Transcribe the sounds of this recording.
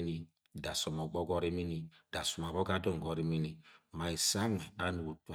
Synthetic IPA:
ni˦ | da˨sɔ˨mɔ˨ɡ͡bɔ˦ɡɔ˦ɾi˦mi˦ni˦da˨su˨ma˨bɔ˦ɡa˦dɔ˦˨ŋ˨ɡɔ˨ɾi˦mi˦ni˨ma˨i˨sa˦ŋe˨a˨˦nu˨wo˨ta˦

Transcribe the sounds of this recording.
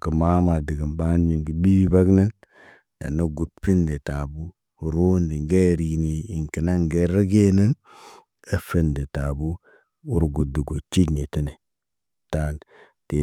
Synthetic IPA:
kə˨ma˦ma˨di˨ɡə˨nba˦n˦ji˨ŋɡi˨bi˦bi˦ba˦ɡnə˦n | a̰˨no˦ɡu˨t̚pi˦nde˨ta˨bu˦˨ | ɾo˦ndi˨ŋɡe˦˨ɾi˨ɡni˨i˨ŋki˨na˦ŋɡe˨ɾa˦ɡe˦nə˦n | e˦fə˦nde˨ta˨bu˦ | u˦ɾɡu˨di˨ɡo˨t͡ʃi˦ɡne˨ti˦ne˨ | ta˦l | te˨

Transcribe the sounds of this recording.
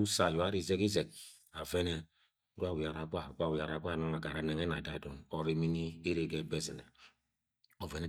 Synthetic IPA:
u˦sa˨jo˨a˦ɾi˦˨ze˦ki˦zɛ˨k̚ | a˨vɛ˦nɛ˨˦ | ɾu˦a˦˨wi˨a˨ɾa˨ɡʷa˦˨ɡʷa˦˨wi˨a˨ɾa˨ɡʷa˦˨nɔ˦a˨ɡa˨ɾa˨nɛ˨ŋɛ˦na˨da˨dɔ˨nɔ˨ɾi˨mi˦ni˦e˦ɾe˨ɡɛ˦˨bɛ˦zi˨nɛ̰˨ | ɔ˨vɛ˨nɛ˦

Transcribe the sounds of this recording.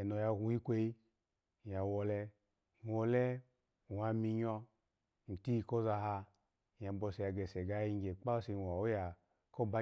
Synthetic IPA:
nɔ˨ja˧ɡʷu˨˧i˦kʷe˧i˦˨ | a˨wɔ˧lɛ˧ | n̩˨wɔ˧lɛ˦˨ | a˧mi˧ɲɔ˧ | n̩˨ti˦˧ko˦za˧ɦa˧˨ | a˨bɔ˧se˧ja˧ɡɛ˨sɛ˨ɡa˦ji˧ŋ˦ɡʲe˨k͡pa˦si˧˨wa˨o˦ja˨ | ko˦ba˦

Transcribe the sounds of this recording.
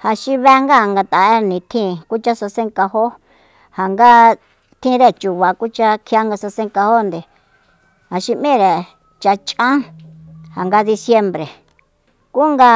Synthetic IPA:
ha˨ʃi˧βe˧˦˧ŋɡa˦˨ŋɡa˧t̪a˨e˦nĩ˨˧t̪ʰĩ˦˧˨ku˦t͡ʃa˦sa˧sẽ˦ŋka˧ɦo˦ | ha˨ŋɡa˦ | t̪ʰĩ˦˧ɾe˦˨t͡ʃu˨βa˨ku˦t͡ʃa˧kʰi˧a˦ŋɡa˧sa˧sẽ˦ŋka˧ho˦nd̪e˨ | ha˨ʃi˧mĩ˦˨ɾe˨ | t͡ʃa˧t͡ʃã˦ | ha˨ŋɡa˧ði˧sje˧mbɾe˨ | ku˦ŋɡa˧

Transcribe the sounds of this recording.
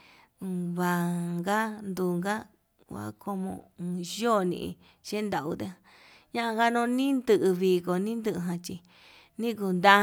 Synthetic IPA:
βa˨ŋɡa˦nd̪uː˧˨ŋɡa˦ | wa̰˨ko˧mõ̰˧jo˦˨nḭ̃˧ʔḭ˧ | ʃe˦nd̪a˨u˧t̪e˦a˧ | ɲã˦ʔa˧ŋɡa˦nõ˧˦nĩ˦nd̪ɨ˧ʔɨ˧βi˧ko˨nĩ˦nd̪ɨ˧ʔɨ˧ɦã˧t͡ʃi˧ | nĩ˦ku˧nd̪ã˦

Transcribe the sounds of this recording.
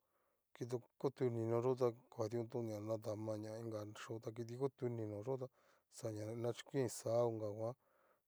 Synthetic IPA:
ki˧t̪̬o˧ko˦t̪u˧nĩ˧nõ˧ʐo˦t̪̬a˧ka˨t̪i˧ũ˧t̪̬ũ˦˧ɲã˨nã˧t̪̬a˨mã˧ɲã˧˨˧ĩ˦ŋɡa˨ʂo˦t̪a˧k̬i˧t̪̬i˧ko˦t̪u˧nĩ˧nõ˨ʐo˦t̪̬a˧ | sa˨ɲã˨nã˧t͡ʃi̥˦kʷĩ˧saː˨˦o˧ŋɡa˨kʷã˦

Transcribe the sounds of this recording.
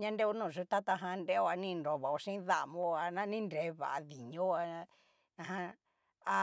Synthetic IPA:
ɲã˦˧nde˦u˧˦nũː˦˧˨ʐu˧t̪a˦t̪a˧ɦã˧nɾe˦o˧a˧nĩ˦nɾo˨βa˨o˧ʂĩ˦ða˦ʔmõ˧a˧nã˦nĩ˦nɾe˧˦βa̰˨ʔa˧ði˨ɲõ˦˧a˧ | nã˧˨ã˧ | a˧

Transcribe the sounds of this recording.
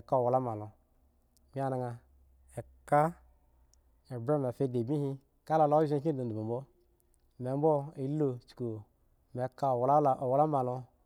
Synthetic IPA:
ka˦o˨wa˨la˦ma˨lo˨ | mi˦a˨na˨ŋa˨ | e˨ka˦ | e˨bɾe˦me˨fe˦de˨bi˦hi˦ | ka˦la˨lo˦ʒe˦ki˦do˨u˨mu˨bo˦ | me˨m˦bo˦i˨˦lo˨t͡ʃko˨ | me˨ka˦˨wwla˦ma˨lo˧

